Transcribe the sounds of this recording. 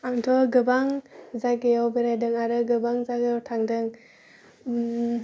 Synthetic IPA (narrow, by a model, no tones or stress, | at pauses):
amtʰɔɡɯbaŋzaɡejawbiɾajdɯŋaɾɯɡɯbaŋzaɡetʰaŋdɯŋ